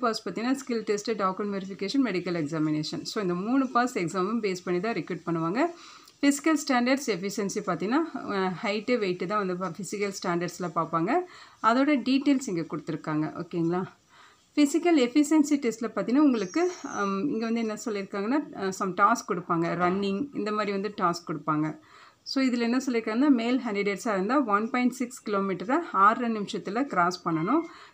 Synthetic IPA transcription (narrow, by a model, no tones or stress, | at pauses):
paːspɐɾt̪iŋnaːskɪlʈesʈeɖaːkɐnmjuːɾɪfɪkeːʂɐnmɛɽɪkːɐlɛksaːmɪneːʂɐnsoːɪnd̪ɐmuːɳɯpaːsɛksaːmʊmpeːspɐɳːit̪ãːɾɪkjuːʈ̚pɐɳːɯʋaːŋɡɐ | fɪsɪ̥kɐlsʈaːɳɖɐɾɖsɛfɪsɛnsipaːɾt̪iŋɡɐnaːhɐɪʈːeʋeɪʈːɯt̪ãːʋɐnd̪ɯfɪsɪkɐlsʈaːɳɖɐɾɖslɐpaːɾpaːŋɡɐɐðoːɽɐɖiːʈːeːlsɪŋɡekɔɽɯt̪ːɯɾɯkːaːŋɡɐ̰ʔo̰ːkːeːŋɡɐɭaː | fɪsɪkːɐlɛfɪsɛnsiʈestɪlɐpaːɾt̪iŋnaːʊŋɡɐɭɯkːɯɪŋɡeʋɐnd̪ɯɛnːɐsɔlːɪɾɯkːaːŋɡɐnːaːsɐmʈaːskkːɔɽɯpːaːŋɡɐɾɐnːɪŋɡɪ̰nd̪ɐmaːd̪ɾiʋɐnd̪ɯʈaːskkɔɽɯpːaːŋɡɐ | soːɪðɪlɛnːɐsɔlːɪɾɯkːaːŋɡɐnːaːmeːlɦaːɳɖɪɖeːʈsaːɪɾɯnd̪aːʋɐnpɔːɪɳʈsɪkskɪloːmiːʈɐɾɐaːɾɐnɪmɪʂɐt̪ːɪlɐkɪɾaːspɐɳːɐnʊ̃